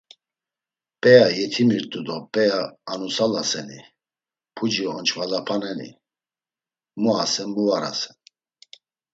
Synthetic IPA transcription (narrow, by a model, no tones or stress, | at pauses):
pʼɛjajɛt̪ʰimiɾt̪ʼud̪ɔpʼɛjaːnusalasɛni | pʰud͡ʒiɔnt͡ʃʰvad̪apʰanɛnḭ | muasɛnmuvaɾa̰sɛ̥n